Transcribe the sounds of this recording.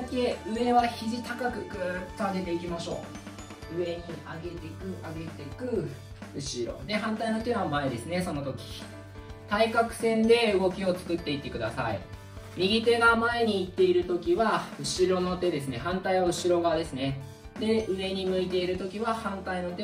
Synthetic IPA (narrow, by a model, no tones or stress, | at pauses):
keɯ̟e̞βaçiʑit̪akakɯ̟kɯt͡saɡet̪e̞ikʲimaɕo̞ː | ɯ̟e̞ɲ̟iaɡe̞t̪e̞kɯ̟ʔaɡe̞t̪e̞kɯ̟ | ɯ̟ɕiɾo̞̰d̪e̞ɦãnt̪aino̞t̪e̞βamaed̪e̞sɨne̞so̞no̞t̪o̞kʲi̥ | t̪aikakɯ̟̥sẽ̞nd̪e̞ɯ̟ɡo̞kʲio̞t͡sɨ̥kɯ̟t̪ːe̞it̪ːe̞kɯ̟d̪a̰sa̰ḭ | mʲiɡʲit̪e̞ɡamae̞ɲ̟iːt̪ːe̞iɾɯ̟t̪o̞kʲiβaɯ̟ɕiɾo̞no̞t̪e̞d̪e̞s̬ɨne̞ɦãnt̪aiβaɯ̟ɕiɾo̞ɡad̪e̞sɨne̞ | d̪e̞ɯ̟e̞ɲ̟imɯ̟it̪e̞iɾɯ̟t̪o̞kʲiβahãnt̪aino̞t̪e